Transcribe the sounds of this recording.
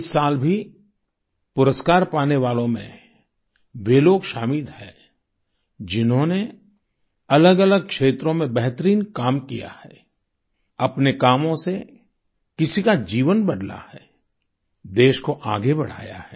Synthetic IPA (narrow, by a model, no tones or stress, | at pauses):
ɪsːaːlbʱi | pʊɾəskaːɾpaːneʋaːlõmḛ̃ | ʋeːloːɡʃaːmid̪hɛː | d͡ʒɪnɦõne | ɐləɡɐləɡ̚kʃeːt̪ɾõmẽbɛɦt̪əɾiːnkaːmkija̰hɛː | ɐpnekaːmõse | kɪsikad͡ʒiːʋənbɐɖ̪la̰hɛː | d̪eːʃkoʔaːɡebɐɽ̤a̰ːja̰hɛː